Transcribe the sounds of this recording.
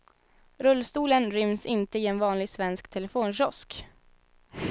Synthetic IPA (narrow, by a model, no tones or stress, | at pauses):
ɾɵlːst̪uːlənɾʏmsɪnt̪əɪɛnvɑːnlɪɡsvɛnskt̪ʰɛlɛfoːnɕɔsk